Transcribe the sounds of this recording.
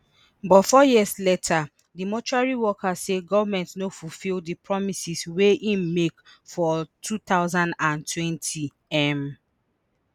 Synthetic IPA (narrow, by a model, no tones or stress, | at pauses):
bɔtfɔjiəsletʰa | dimɔt͡ʃuaɹiwɔkʰaseɡɔvamɛ̃ntnofufildipɹɔmisisweʔĩmekfɔtʰut̪aʊzãndãntʰwɛ̃ntʰi | ɛm